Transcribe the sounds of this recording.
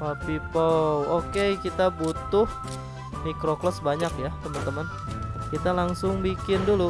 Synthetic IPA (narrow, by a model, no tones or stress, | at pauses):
papipowokekit̪abut̪ʊh | mikɾoklɔsbaɲakjat̪əmənt̪əmən | kit̪alaŋsʊŋbikɪndulu